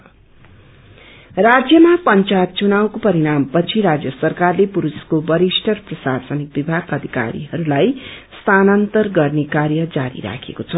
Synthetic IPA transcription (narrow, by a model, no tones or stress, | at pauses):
rad͡zjʌmapʌnt͡sajt̪̚t͡sunawkopʌɾiɾampʌt͡sʰiɾad͡zjʌsʌrkarlepuɾuskobʌɾisʈʌrprʌsarsʌnik̚bibʱaɡʌd̪ʱika̰ɾḭɦʌɾulajst̪ʰanʌnt̪ʌrɡʌrnekaɾjʌd͡zaɾḭɾa̰kʰḛkot͡sʰʌ